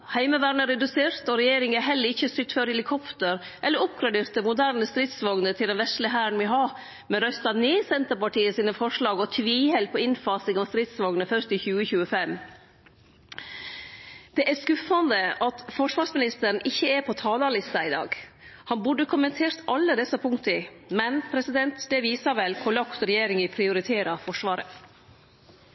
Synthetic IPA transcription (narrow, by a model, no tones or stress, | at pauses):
hæɪməʋæːɳəɾɛd̪ʉseːɾt̪ɔɾɛjeːɾɪŋɛɦɛlːəɾɪçːəstʏt̪føːɾɛlɪkʰɔpt̪əɾ | ʔɛlːəɾɔp̚ɡɾɑd̪eːɾt̪̚ɛmʊd̪æːɾɳnəst̪ɾɪt̪sʋɑɡnət̪ʰɪld̪ɛnʋɛʂləɦæːɾəɳ̩ʋɪɦɑ | mɛnɾœst̪ɑneːsɛnt̪əpɑʈiːəsiːnəfɔʂɭɑːɡɔt̪ʰʋiːhɛlpʰɔɪnfɑːsɪŋɔmst̪ɾɪt̪sʋɑɡnəfœʂt̪ɪçʉːəçʉːəfɛm | d̪̥ɛʔæskʉfɑnd̪əʔɑt̪fɔʂʋɑːʂsmɪnɪst̪əɾɳ̩ɪçːəɛɾpʰɔt̪ʰɑːlɑlɪst̪ɑɪd̪ɑ̰ːɡ | hɑnbʉɖːəkʰʊmənt̪ʰeːɾt̪ʰɑlːəd̪ɛsːɑpʰʊŋkt̪əɪmɛnpʰɾɛsɪd̪ɛnt̪d̪ɛʋiːsɑɾʋɛlkʰʊlɔksɾɛjeːɾɪŋɪpʰɾɪʊɾɪt̪ʰeːɾɑfɔʂʋɑːɾə̰